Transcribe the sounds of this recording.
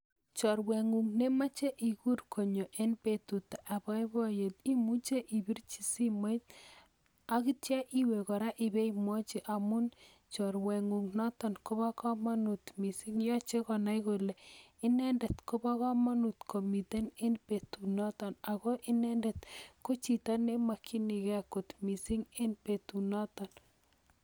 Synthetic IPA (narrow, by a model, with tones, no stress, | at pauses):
t͡ʃɔ˨ɾwe˨ŋu˨ŋne˦ma˦t͡ʃe˦ʔi˨ku˦rkʰo˨ɲo˨ʔe˦npe˨tu˨t̪a˨ʔa˨ba˦bɔ˦je˨t̪i˦mu˦t͡ʃe˦ʔi˨bi˦ɾt͡ʃi˨si˦ma˦jt̪ | a˦ki˦tja˦ʔi˦we˨kɔ˨ɾa˦ʔi˨be˦imwɔ˦t͡ʃi˦ʔa˨mʊ˦n | t͡ʃɔ˨ɾwe˨ŋu˨ŋnɔ˦t̪ɔ˨nko˦ba˦kɔ˦ma˦nu˨t̪mi˨si˦ŋjɔ˦t͡ʃe˦kɔ˨na˦jko˨lɛ˨ɪ˦nɛ˦ndɛ˨t̪ko˦ba˦ka˦ma˦nu˨t̪kʰo˨mi˨te˦nɪ˦npe˨tu˨na˦tɔ˨na˨kɔ˦ʔɪ˦nɛndɛ˨t̪ko˦t͡ʃi˨ta˦ne˦ma˨kʰi˦ni˨kɛ˦ko˨t̪mi˨si˦ŋɪ˦npe˨tu˨na˦tɔ˨n